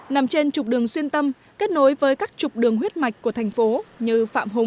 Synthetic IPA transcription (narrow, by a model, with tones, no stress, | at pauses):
na˨˩mt͡ɕe˧nt͡ɕʊ˨˩k͡p̚ɗɨ˨˩əŋswi˧ənt̪ə˧m | ke˦˥t̚no˨˦jvəː˨˦jkaː˦˥k̚t͡ɕʊ˨˩k͡p̚ɗɨ˨˩əŋɦwi˦˥t̚ma˨˩jk̟̚ku˧˩ət̪ʰa˨˩jŋ̟fo˨˦ɲɨ˧fa̰ː˧˨mɦʊ˨˩ŋ͡m